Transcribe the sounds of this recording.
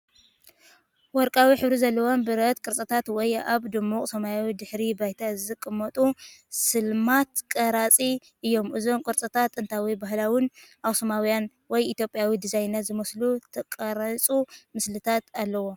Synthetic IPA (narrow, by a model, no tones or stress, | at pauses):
wɔɾkʼawiħɨβɾizɐlːɐwombɨɾɐt̪̚kʼɨɾt͡sʼɐt̪ʰat̪wɔjaβd̪ɨmuχʼsɐmajawid̪ɨħɾibajt̪ʰazɨkʼːɨmːɐt̪ʼusɨlmat̪kʼɐɾat͡sʼi | ʔɨjːo̞mɨzo̞mkʼɨɾt͡sʼɐt̪ʰat̪ɨnt̪ʰawibahlawɨnʔawsɐmawjan | wɔjit̪jopʼjawid̪ɨzajnat̪zɨmɐslut̪ʰɐkʼɐɾɐt͡sʼumɨslɨt̪ʰat̪alːɐwo̞